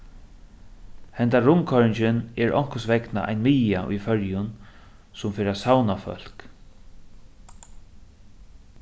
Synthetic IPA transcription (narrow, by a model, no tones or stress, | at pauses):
hɛnt̪aɹʊmkʰɔɹɪɲt͡ʃɪnɛɹɔ̰ŋ̥kʊsʋɛkna̰ʔa̰jnmɪːaʔʊ̰jfœɹjʊn | sʊmfɪːɾaːsawnafœ̰l̥k